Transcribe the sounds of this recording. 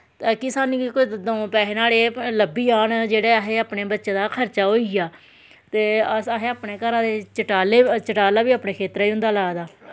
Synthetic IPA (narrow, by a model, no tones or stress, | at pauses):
t̪ːkɪsaːnĩːkod̪õːpɛːɦeːnaːleːləbiːaːnd͡ʒeːɽeːəɦeːaːpneːbətːʃẽːd̪aːkʰəɾt͡ʃaːɦoːijaː | t̪eːəsaɦeːaːpneːkəɾãːd̪eːt͡ʃəʈaːleːt͡ʃəʈaːlaːʋiːaːpneːkʰeːt̪ɾaiːɦʊ̃nd̪aːlaːd̪aː